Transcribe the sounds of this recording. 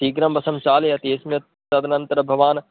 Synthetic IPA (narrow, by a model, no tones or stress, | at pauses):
iːɡɾɐmbɐsɐmt͡ʃaːlɐt̪eːsmjɐ | t̪ɐd̪nɐnt̪ɾɐbʱɐʋaːn